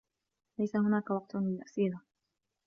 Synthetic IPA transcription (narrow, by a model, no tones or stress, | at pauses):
lajsahʊnaːkawɑq̚t̪mɪlʔasiːla